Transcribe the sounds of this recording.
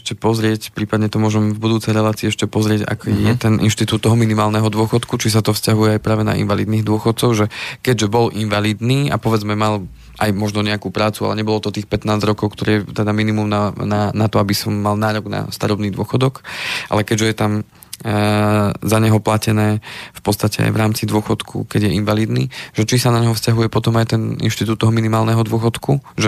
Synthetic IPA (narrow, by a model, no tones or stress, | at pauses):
ɛʃcɛpɔzɾɪɛcpɾiːpad̪ɲɛt̪ɔmʊɔʒɛmvbud̪uːt͡sɛjɾɛlaːt͡siːɛʃcɛpɔzɾɪɛca̰kjɛt̪ɛnʔḭnʃt̪it̪uːt̪ːɔɦɔminimaːlnɛɦɔd̪ʊɔxɔt̪kut͡ʃis̬at̪ɔfscaɦujɛajpɾaːʋɛna̰ʔḭnʋalḭd̪niːɣd̪ʊɔxɔt̪̚t͡sɔʊʒɛkɛɟʒɛbɔlʔinʋaliːd̪niːa̰pɔʋɛd͡zmɛmal | ʔajmɔʒnɔɲɛakupɾaːt͡sua̰lɛɲɛbɔlɔt̪ɔt̪iːxpɛt̪naːzɾɔkɔʊkt̪ɔɾit̪ɛd̪aminimumnananat̪ɔabisɔmːalnaːɾɔɡna̰st̪aɾɔbniːd̪ʊɔxɔd̪ɔkʔa̰lɛkɛɟʒɛjɛt̪am | zaɲɛɦɔplacɛnɛːfpɔt̪t͡sst̪acɛ̰a̰jʋɾaːmt͡sid̪ʊɔxɔt̪kʰṵkɛɟjɛinʋaliːd̪nḭːʒ̥ɛt͡ʃisanaɲɦɔfscaɦujɛpɔt̪ɔmajt̪ɛnḭnʃt̪it̪uːt̪ːɔɦɔminimaːlnɛɦɔd̪ʊɔxɔt̪kuʒɛ